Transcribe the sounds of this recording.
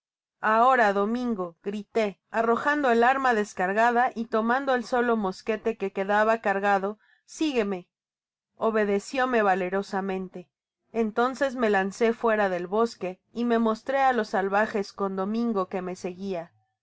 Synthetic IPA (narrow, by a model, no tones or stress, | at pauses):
ao̞ɾaðo̞mĩŋɡo̞ɣɾit̪e̞aro̞xand̪o̞elaɾmaðe̞skaɾɣaðaʔit̪o̞mãnd̪o̞e̞lso̞lo̞mo̞ske̞t̪e̞ke̞ke̞ðaβakaɾɣaðo̞ | siɣe̞me̞ | o̞βe̞ðe̞sjo̞me̞βale̞ɾo̞samẽ̞nt̪e̞ː | nt̪o̞nse̞zme̞lanse̞fwe̞ɾaðe̞lβo̞ske̞ | ime̞mo̞st̪ɾe̞alo̞salβaxe̞sko̞nd̪o̞mĩŋɡo̞ke̞me̞se̞ɣia